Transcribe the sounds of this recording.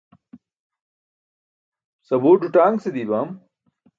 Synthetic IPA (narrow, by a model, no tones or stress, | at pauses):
sɐboːɖuʈaːŋɡsed̪iːbaːm